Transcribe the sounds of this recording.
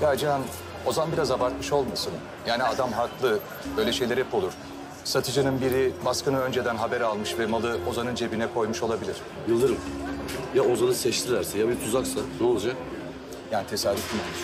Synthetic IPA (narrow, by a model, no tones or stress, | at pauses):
jad͡ʒaan | o̞zanbiɾazabaɾt̪̚mɯʃo̞lˠmasɯn | jaːniad̪amɦak̪lˠɯ | bø̞jlʲɛʃe̞jlʲe̞ɾɛpʰo̞lˠuɾ̥ | sat̪ʰɯd͡ʒɯnɯnbiɾibaskɯnɯø̞nd͡ʒe̞d̪ænɦabɛɾalˠmɯʃvɛmalˠɯo̞zanɯnd͡ʒe̞binɛkʰo̞jmuʃo̞lˠabilʲiɾ̥ | jɯlˠd̪ɯɾɯmjao̞zanɯsɛt͡ʃt̪ʰilæɾsɛjabipʰuzaksad̪olˠd͡ʒan | jaːnit̪ʰesalʲːit̪im